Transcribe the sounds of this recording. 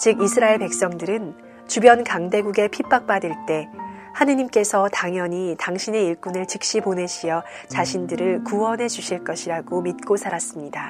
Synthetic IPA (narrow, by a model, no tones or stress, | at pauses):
t͡ɕɯɡisʰɯɾaeɭpe̞k̚s͈ʌŋdɯɾɯn | t͡ɕubjʌnkaŋde̞ɡuɡe̞pʰip͈ak̚p͈adɯɭt͈e̞hanɯɲimk͈e̞sʰʌtaŋjʌɲitaŋɕʰine̞iɭk͈unɯɭt͡ɕɯk̚ɕ͈ipone̞ɕʰijʌ | t͡ɕaɕʰindɯɾɯɭkuwʌnɦe̞d͡ʑuɕʰiɭk͈ʌɕʰiɾaɡomit̚k͈osʰaɾas͈ɯmɲida